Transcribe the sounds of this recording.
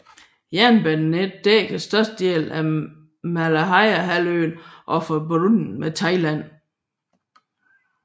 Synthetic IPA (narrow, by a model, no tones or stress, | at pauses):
jænb̥ænned̥̚d̥ḛːkʰæsd̥ɶɐsd̥̚dje̝̰ːlæ | mælæɦɑɪæɦæløːnʔɒfɒb̥ɾun̩met͡sʰɑ̈ɪlæn̰